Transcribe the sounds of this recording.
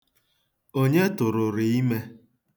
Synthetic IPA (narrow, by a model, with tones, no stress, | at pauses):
o˦ɲe˦tʊ˨ɾʊ˨ɾɪ˨i˦me˦